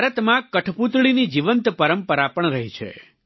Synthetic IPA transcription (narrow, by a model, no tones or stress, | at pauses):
aɾət̪mãkəʈʰput̪ɭinid͡ʒiʋənt̪pəɾəmpəɾapəɳɾəɦit͡ʃʰḛ